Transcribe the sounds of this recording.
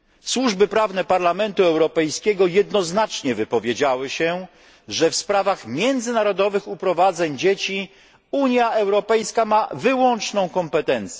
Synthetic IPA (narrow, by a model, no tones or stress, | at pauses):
swuʐbɘpɾavnɛpaɾlamɛnt̪uɛwɾɔpɛjskʲɛɡɔjɛd̪nɔznat͡ʂɲɛvɘpɔvʲjed͡ʑawɘɕɛ | ʐɛfspɾavaxmʲjɛnd̪zɘnaɾɔd̪ɔvɘxupɾɔvad̪zɛɲd͡ʑet͡ɕi | uɲjaɛwɾɔpɛjskamavɘwɔnt͡ʂnɔ̃w̃kɔmpɛt̪ɛnt̪sʲɛ